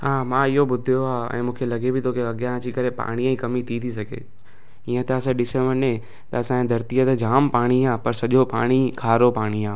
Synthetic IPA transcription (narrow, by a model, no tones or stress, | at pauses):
ɦaːmãːɪɦobʊd̪ʱjoaːɛ̰̃ːmũːkʰelɐɡebʱɪt̪ʰokeɐɠjãt͡ɕikɐɾepa̰ːɽ̃iãĩkɐmit̪ʰit̪ʰisɐɡʱḛː | iə̃t̪eɐs̬ãɗɪsẽʋənẽ | t̪ɐɐsãːẽd̪ʱɐɾt̪ijət̪ed͡ʑaːmpaːɽ̃iãːpɐɾsɐʄopaːɽ̃ikʰaːɾopaːɽ̃iãː